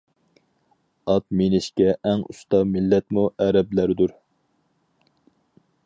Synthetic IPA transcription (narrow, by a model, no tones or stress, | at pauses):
ɑt̪menɪʃkʲɛʔɛŋṵst̪ɑmɪlːɛt̪muʔɛɾɛblæɾd̪uɾ